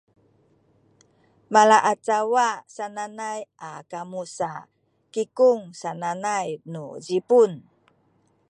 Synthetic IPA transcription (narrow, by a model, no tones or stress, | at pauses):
malaʔat͡sawasananajʔakamusa | kikuŋsananajnuzipun